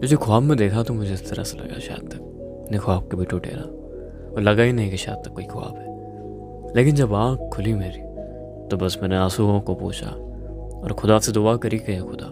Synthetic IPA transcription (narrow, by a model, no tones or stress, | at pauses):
d͡ʒoːd͡ʒekʰʊaːbmẽd̪eːkʰat̪omʊd͡ʒʱeɪst̪ɐɾa̰selɐ̰ɡa̰ʃa̰ːd̪̚t̪ɐk | nẽkʰʊaːb̚kebʱiʈʰoʈḛːɾaː | ɔːɾlɐɡainɐɦĩkeʃa̰ːd̪̚t̪ɐkːoːikʰʊa̰ːbɦɛː | leːkɪnd͡ʒɐbãːkʰːʊlimeːɾiː | t̪obɐsmɛːneaːsuɦõkopoːt͡ʃa̰ | ɔ̰ːɾxʊd̪aːt̪sed̪ʊakɐɾikɐjexʊd̪a̰ː